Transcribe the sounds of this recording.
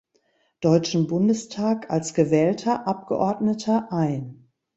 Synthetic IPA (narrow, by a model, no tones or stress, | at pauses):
d̥ɔʏt͡ʃn̩bʊndəstʰaːkalsɡ̥əvɛːltʰɐʔap̚ɡ̥ə̰ʔɔɐdnətʰɐʔaɪn